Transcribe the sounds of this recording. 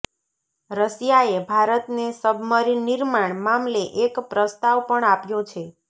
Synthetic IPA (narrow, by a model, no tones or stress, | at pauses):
ɾəʃjaebʱaɾət̪nesəbʱməɾiniɾmaɳmamleʔekpɾəst̪aʋpəɳapjõt͡ʃʰe